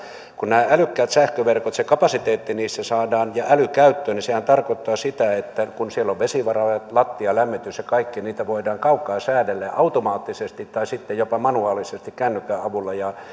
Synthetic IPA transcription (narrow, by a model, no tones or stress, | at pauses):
kunnæːælykːæːt̪sæhkøʋerkot̪sekɑpɑsit̪eːt̪ːiniːsːæsɑːdɑːnjɑʔælykæyt̪ːøːnisehænt̪ɑrkot̪ːɑːsit̪æet̪ːækunsielːoʋʋesiʋɑrɑɑlɑt̪ːiɑlæmːit̪ysjɑkɑikːiniːt̪æʋoˑidɑːŋkɑukːˑɑːsæːdelːeʔʔɑut̪omɑːt̪ːisest̪it̪t̪ɑisit̪ːejjopɑmɑnuɑːlisest̪ikkænːykːˑæːɑʋulːɑjɑ